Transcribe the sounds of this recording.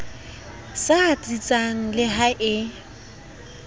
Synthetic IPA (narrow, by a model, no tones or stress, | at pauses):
sat͡sʼit͡sʼaŋ̩lɪɦaʔɪ